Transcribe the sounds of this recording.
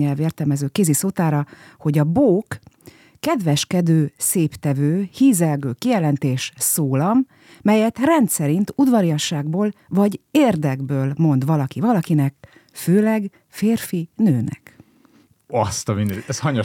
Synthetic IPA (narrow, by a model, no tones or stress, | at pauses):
ɛlveːrt̪ɛlmɛzøːkeːzisoːt̪aːɾɒho̞ɟɒboːkː | ɛd̪ʋɛʃkɛd̪øːseːpt̪ɛvøːhiːzɛlɡøːkijɛlɛnt̪eːʃsoːlɒmː | ɛjɛt̪rɛnt̪sɛɾint̪ud̪vɒɾiɒʃaːɡboːlvɒɟeːrd̪ɛɡbøːlmo̞n̪d̪ʋɒlɒkivɒlɒkinɛk | føːlɛɡ | feːrfinøːnɛ̰k | ɒst̪ɒmind̪ɛɛshɒɲo